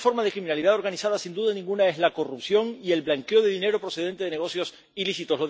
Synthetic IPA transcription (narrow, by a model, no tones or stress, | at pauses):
fo̞ɾmaðekɾimĩnaliðaðo̞ɾɣanisaðasind̪uðanĩŋɡunae̞zlako̞rupsjo̞ŋie̞lβlaŋkeoðe̞ðine̞ɾopɾose̞ð̞e̞nt̪e̞ðeneɣo̞sjo̞s | ilisit̪o̞slo